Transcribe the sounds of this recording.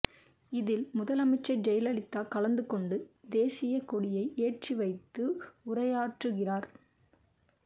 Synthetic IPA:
ɪðɪlmʊðɐlɐmɐɪt͡ʃːɐɪd͡ʒɐjɪlɐɭɪt̪ːaːkɐlɐnd̪ɯkɔɳɖɯd̪eːsɪjɐkɔɽɪjɐɪʔeːʈriʋɐɪt̪ːɯʊrɐjaːʈrɯɣɪraːɾ

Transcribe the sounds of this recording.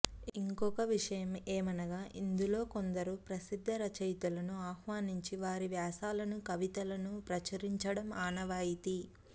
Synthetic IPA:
iŋkɔkɐʋiʂɐjɐmeːmɐnɐɡaːʔind̪ulo̞ːkond̪ɐɾupɾɐsid̪ʱːɐɾɐt͡ʃɐjt̪ulɐnuaːhʋaːniɲt͡ʃiʋaːɾiʋjaːsaːlɐnukɐʋit̪ɐlɐnupɾɐt͡ʃɐɾiɲt͡ʃɐɽɐmaːnɐʋaːjit̪i

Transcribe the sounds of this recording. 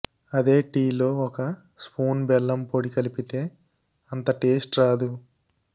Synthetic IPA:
ɐd̪e̞ːʈiːlo̞ːɔkɐ | spuːnbɛlːɐmpoɽikɐlipit̪e̞ː | ɐnt̪ɐʈeːsʈɾaːd̪u

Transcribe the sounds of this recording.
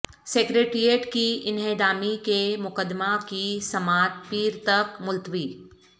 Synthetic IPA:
sekɾeːʈɾieʈkiɪnɦeːd̪aːmikemʊkəd̪makisɐmaːt̪piːɾt̪ɐkmʊlt̪ʋiː

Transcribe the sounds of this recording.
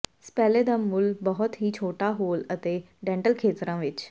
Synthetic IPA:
spɛːleːd̪aːmʊlbəɦʊt̪ɦiːt͡ʃʰoːʈaːɦoːlət̪eː | ɖɛ̃ːɳʈəlkʰeːt̪ɾãːʋɪt͡ʃ

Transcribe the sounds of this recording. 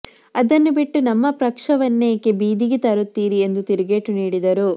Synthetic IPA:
ɐd̪ɐnːubiʈːunɐmːɐpɾɐkʂɐʋɐnːeːkebiːd̪iɡet̪ɐɾut̪ːiːɾie̞nd̪ut̪iɾɡeʈːuniːɽid̪ɐɾu

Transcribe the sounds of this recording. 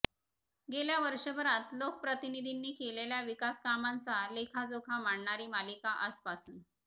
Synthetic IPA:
ɡeljaʋəɾʂəbəɾãt̪lokəpɾət̪inid̪ʱinːiːkeleljaʋikaskamãnt͡salekʰad͡zokʰamaɳɳaɾiːmalikaʔəspasuːn

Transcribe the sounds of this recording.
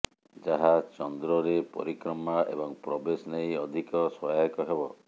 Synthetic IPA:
d͡ʒaɦat͡ʃɔnd̪ɾɔɾepɔ̰ɾikɾɔmaʔḛbɔŋpɾɔbesɔnejɔd̪ʱikɔswɔjaikɔɦebɔ

